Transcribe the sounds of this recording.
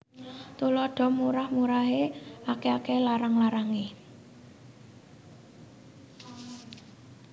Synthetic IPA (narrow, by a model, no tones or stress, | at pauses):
t̪ulɔɖ̥ɔ̤muɾahmuɾaɦeakeakelaɾaŋlaɾaŋe